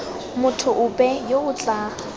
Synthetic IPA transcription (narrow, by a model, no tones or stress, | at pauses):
mʊtʰʊʔʊpʼɛjoʊt͡ɬʼa